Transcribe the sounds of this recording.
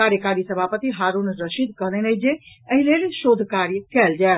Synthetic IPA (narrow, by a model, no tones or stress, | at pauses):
aɾjəkaɾisəbʱapət̪iɦaɾunɾəʃid̪̚ʱkəɦlɛnəd͡ʒe | əɦilelʃod̪ʱkaɾjəkɛld͡ʒae